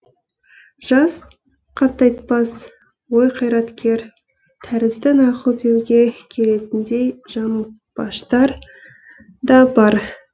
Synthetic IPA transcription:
ʒ̥ɑs | qʰɑɾt̪ɑjt̪pɑs | wo̞jqʰɑjɾɑt̪kʲe̞ɾ | t̪ʰæɾɪzd̪ɪnɑqəlˠd̪e̞wɡʲe̞kʲʰe̞le̞t̪ɪnd̪e̞jʒɑməlˠ | pɑʃt̪ɑɾ | d̪ɑbɑɾ

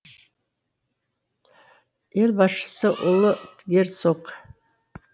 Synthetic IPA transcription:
elʲbɑsʃə̥səʔʊlˠət̪ʰɡʲeɾsoq

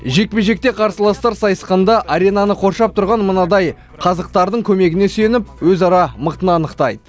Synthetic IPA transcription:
ʒe̞k̚peʒe̞k̚t̪e̞qʰɑɾsəlˠɑst̪ɑɾsɑjəsqɑnd̪ɑʔaɾʲe̞nɑnəqʰo̞ɾʃɑp̚t̪ʰʊɾʁɑnmənɑd̪ɑj | qʰɑzəq̚t̪ɑɾd̪əɴkʲʰɵme̞ɡʲɪne̞senɪp̚wɵzɑɾɑməqt̪ənɑːnəqt̪ɑjd̪ə

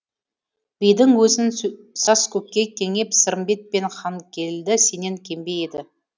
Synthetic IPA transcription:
b̥ijd̪ɪŋwɵzɪn | sɑskʲʰɵp̚kʲːe̞kʲʰe̞ŋe̞psəɾəmbe̞t̪̚pe̞nχɑŋkʲʰe̞ld̪ɪse̞ne̞ŋkʲʰe̞mbe̞jed̪ɪ

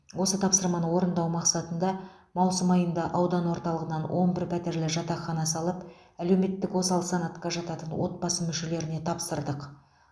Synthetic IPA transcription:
wo̞sət̪ʰɑpsəɾmɑnəwo̞ɾənd̪ɑwmɑqsɑt̪ənd̪ɑ | mɑwsəmɑjənd̪ɑʔɑwd̪ɑnwo̞ɾt̪ɑlˠəʁənɑnwʔo̞nbɪɾpʰæt̪e̞ɾlɪʒɑt̪ɑχɑnɑsɑlˠəp | æle̞wme̞t̪ːɪkwo̞sɑlˠəsɑnɑt̪qɑʒɑt̪ɑt̪ənwo̞̰t̪̚bɑsəmʏʃe̞le̞ɾɪne̞t̪ʰɑpsəɾd̪əq

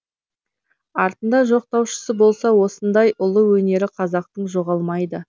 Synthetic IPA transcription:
ɑɾt̪ənd̪ɑʒo̞q̚t̪ɑwʃə̥səbo̞lˠsɑwo̞sənd̪ɑjʊlˠəwɵne̞ɾɪqʰɑzɑq̚t̪əɴʒo̞ʁɑlˠmɑjd̪ə

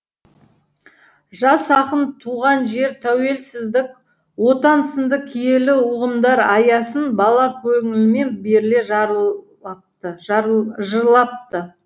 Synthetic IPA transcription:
ʒɑsɑqənt̪ʰuʁɑnʒe̞ɾt̪ʰæwe̞lsɪzd̪ɪk | wo̞t̪ɑnsənd̪əkʲʰije̞lɪʊʁəmd̪ɑɾɑjɑsənbɑlˠɑkʲʰɵŋɪllme̞nbe̞ɾle̞ʒ | ə | ʒəɾlˠɑp̚t̪ə

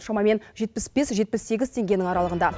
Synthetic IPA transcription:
ʃɑmɑme̞nʒe̞t̪̚pɪsb̥esʒe̞t̪̚pɪsːe̞ɡʲɪzt̪ʰe̞ŋɡʲe̞nɪŋɑɾɑlˠəʁənd̪ɑ

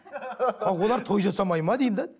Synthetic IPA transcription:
qʰɑqwo̞lˠɑɾt̪ʰo̞jʒɑsɑmɑjmɑd̪ejmd̪ɪ

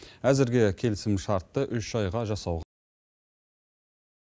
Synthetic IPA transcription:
æzɪɾɡʲekʲʰe̞lɪsɪmʃɑɾt̪ːəʔʏʃʒ̥ɑjʁɑʒɑsɑwʁ

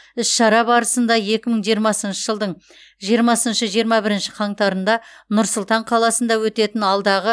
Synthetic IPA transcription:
ɪsʃɑɾɑbɑɾəsənd̪ɑje̞kʲɪməɴʒijɾmɑsənʃəʒəlˠd̪əɴ | ʒijəɾmɑsənʃəʒijəɾmɑbɪɾɪnʃɪ̥qʰɑɴt̪ɑɾənd̪ɑnʊɾsʊlˠt̪ɑɴqʰɑlˠɑsənd̪ɑwɵt̪e̞t̪ɪnɑlˠd̪ɑʁə

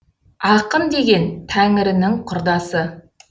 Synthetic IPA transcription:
ɑqənd̪e̞ɡʲe̞nt̪ʰæŋɪɾɪnɪŋqʰʊɾd̪ɑsə

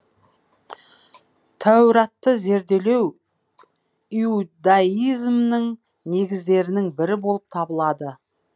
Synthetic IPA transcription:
t̪ʰæwɾɑt̪ːəze̞ɾd̪e̞le̞w | iud̪aizmnəŋ | ne̞ɡʲɪzd̪e̞ɾɪnɪŋbɪɾɪbo̞lˠəp̚t̪ʰɑbəlˠɑd̪ə

